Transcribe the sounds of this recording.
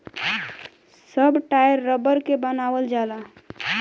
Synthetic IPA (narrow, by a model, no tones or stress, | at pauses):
səbʈajəɾːəbəɾkebənawəld͡ʒala